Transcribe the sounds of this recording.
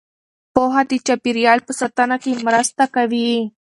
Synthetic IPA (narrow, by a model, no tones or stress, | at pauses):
poɦat̪it͡ɕapiɾjalpəsət̪anakimɾast̪akəʋie